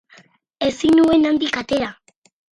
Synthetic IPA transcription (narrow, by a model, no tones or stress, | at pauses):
e̞sinue̞nand̪ikat̪e̞ɾa